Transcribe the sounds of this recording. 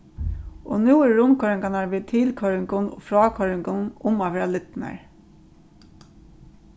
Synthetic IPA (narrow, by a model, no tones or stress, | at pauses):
o̰ːnuːɛɹːʊmkʰœɹɪŋkanaʋiːt̪ʰɪlkʰœɾɪŋkʊn̰fɾɑːkʰœɹɪŋkʊnʊmaʋeːɾalɪt̪na̰ɹ